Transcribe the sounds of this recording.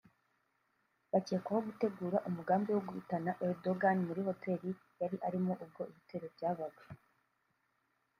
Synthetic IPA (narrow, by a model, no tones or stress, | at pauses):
βaceːkahoɡute̞ɡuːɾaʔumuɡaːmbiwoɡuhutanaʔeɾdoɡanmuɾiho̞te̞ːɾi | jaɾiʔaɾimoʔub̚ɡo̞ʔihite̞ːɾebɟaːβaɡwe